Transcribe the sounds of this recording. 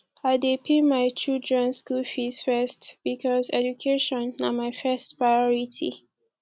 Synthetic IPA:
aɪdepʰemajt͡ʃudɹɛ̃nskulfisfɛstb̥ikʰɔzɛ̰d͡ʒukʰeʃɔ̃na̰majfɛstpɹajɔɹitʰḭ

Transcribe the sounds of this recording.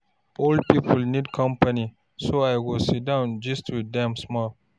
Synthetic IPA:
old̚pipʰəlnidkʰɔ̃mpani | soaɪɡosit̚dãʊ̃nd͡ʒʌstʰudɛ̃msmɔl

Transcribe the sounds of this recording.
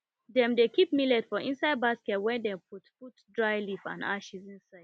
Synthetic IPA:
dɛ̃mdekip̚milɛdfɔʔĩnsaɪd̚baskɛtwɛ̃ndɛpʰutfutdɹajlifã̰na̰ʃizĩnsaɪdd̥

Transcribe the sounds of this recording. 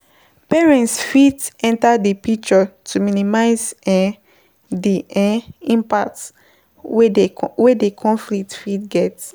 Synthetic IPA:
pɛɹɛ̃ntsfitɛ̃ntadepik̚t͡ʃɔtʰuminimaɪz | diɛĩmpak̚ts | wewedekʰɔ̃nflik̚tfitɡɛt

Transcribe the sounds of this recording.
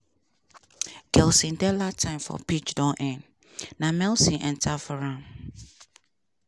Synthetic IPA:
ɡ̥ɛlsĩndɛlatʰãɪ̃mfɔ̰pʰit͡ʃdɔnʔɛ̃nː | ãmɛ̃lsĩʔɛ̰̃ntʰafɔɾãm

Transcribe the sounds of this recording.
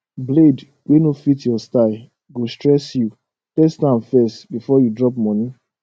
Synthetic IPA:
bled | wenofitjɔstaɪ | ɡostɹɛsju | lɛstãmfɛstbifɔjudɹɔp̚mɔ̃ni

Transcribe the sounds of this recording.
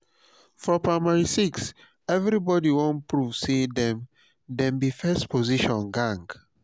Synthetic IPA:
fɔpɹamaɹisiks | ɛvɹibɔdiwɔ̃npɹuvsedɛ̃m | dɛ̃mbifɛstpʰoziʃɔ̃nɡãŋɡ

